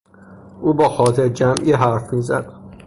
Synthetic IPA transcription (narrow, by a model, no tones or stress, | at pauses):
ʔuːbɒːxɒːt̪ʰeɾd͡ʒæmʔiːɦæɾfmiːzæ̰d̪̥